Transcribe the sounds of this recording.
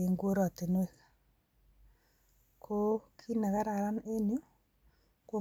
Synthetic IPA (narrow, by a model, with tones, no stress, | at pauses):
e˨ŋɡwo˦ɾɔ˨te˨nwe˨kḁ | kʰo˦kʰi˦na˨ɣa˦ɾa˨ɾa˦ne˦n˦o˦ | ko˦